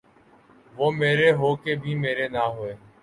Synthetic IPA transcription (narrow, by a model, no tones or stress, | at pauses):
ʋoːmeːɾeːɦoːkeːbʱiːmeːɾeːnaːɦoːeː